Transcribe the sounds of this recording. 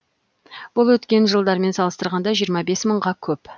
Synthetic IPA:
b̥ʊlˠwɵt̪kʲe̞nʒəlˠd̪ɑɾme̞nsɑlˠəst̪əɾʁɑnd̪ɑʒijəɾmɑbe̞sməɴʁɑkʲʰɵp

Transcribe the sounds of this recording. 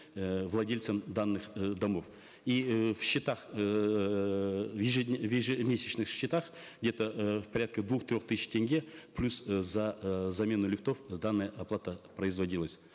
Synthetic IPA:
vlˠɐdʲelʲt̪səmd̪anːɨχd̪ɐmo̞f | ifɕːɪt̪aχ | vjɪʐɨvʲɪʐɨmʲesʲɪt͡ɕnɨxɕːɪt̪aχ | ɡdʲe̞t̪əfpɐɾʲat̪kəd̪vuχt̪ɾʲo̞χt̪ɨɕʲɪ̥tʲeŋʲɡʲeplʲuszɐzɐmʲe̞nʊlʲɪft̪o̞fd̪anːəjəʔɐplˠat̪əpɾəɪzvɐdʲilˠəsʲ

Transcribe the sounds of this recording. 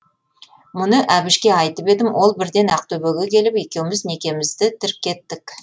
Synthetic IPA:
mʊnəʔæbɪʃkʲe̞ɑjt̪əpe̞d̪ɪmwʔo̞lˠbɪɾd̪e̞nɑq̚t̪ʰɵbeɡʲekʲʰe̞lɪpe̞kʲe̞wɪmɪzne̞kʲe̞mɪzd̪ɪt̪ʰɪɾp̚kʲʰːe̞t̪ːɪk

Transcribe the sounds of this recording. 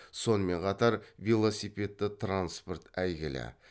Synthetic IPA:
so̞nəme̞ɴqʰɑt̪ɑɾvʲelˠo̞sijpʲe̞t̪ːɪt̪ʰranspo̞rt̪æjɡʲɪlɪ̰

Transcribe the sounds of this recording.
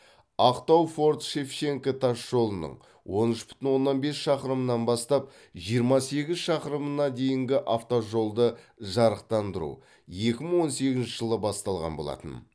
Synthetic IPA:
ɑqt̪ɑwfo̞ɾt̪ʃe̞fʃe̞ŋkat̪ʰɑʃːo̞lˠənə̰ɴ | wo̞nʏʃbʏ̥t̪ɪnwo̞nːɑnbe̞sʃɑqəɾəmənɑnbɑst̪ɑp̚ | ʒijəɾmɑse̞ɡʲɪzʃɑqəɾəmənɑd̪e̞jɪŋɡʲɪʔaft̪oʒo̞lˠd̪əʒɑɾəq̚t̪ɑnd̪əɾṵ | je̞kʲɪməɴwo̞nse̞ɡʲɪznʃɪʒəlˠəbɑst̪ɑlˠʁɑ̰nbo̞lˠɑ̰t̪ə̰n

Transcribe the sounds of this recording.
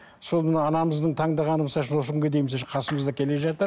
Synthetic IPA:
so̞lˠmənɑɑnɑməzd̪əɴt̪ʰɑŋd̪ɑʁɑnəməsɑlˠʃ̬ɪnwoəkʲʰʏŋɡʲe̞d̪e̞jməsɑʃɪqʰɑsəməzd̪ɑkʲʰe̞le̞ʒɑt̪əɾ

